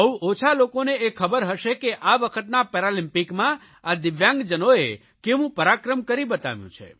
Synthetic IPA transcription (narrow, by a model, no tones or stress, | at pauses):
əwot͡ʃʰalokoneekʰəbəɾɦəʃekeʔaʋəkʰət̪napɛɾalĩmpikmã | ad̪ɪʋjãŋɡd͡ʒənoe | keʋũpəɾakɾəmkəɾibət̪a̰ʋjṵ̃t͡ʃʰḛ